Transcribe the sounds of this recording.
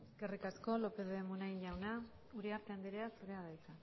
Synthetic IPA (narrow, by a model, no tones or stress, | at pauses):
ɡerikasko̞lo̞peðoemunainʎawna | uɾeaɾt̪e̞and̪eɾeasuɾe̞aðajt͡sa